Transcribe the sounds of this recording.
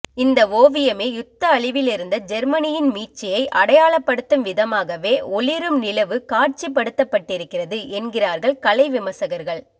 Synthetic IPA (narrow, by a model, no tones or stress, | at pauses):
ɪnd̪ɐoːʋɪjɐmeːjʊt̪ːɐːɭɪʋɪlɪɾɯnd̪ɐd͡ʒɛɾmɐnɪjɪnmiːʈ̚t͡ʃɪjɐɪʔɐɽɐjaːɭɐpːɐɽɯt̪ːɯmʋɪðɐmaːɣɐʋeːɔɭɪɾɯmnɪlɐʋɯkaːrt͡ʃipːɐɽɯt̪ːɐpːɐʈːɪɾɯkːɪrɐðɯʔɛnɡɪraːɾɣɐɭkɐlɐɪʋɪmɐsɐɣɐɾɣɐɭ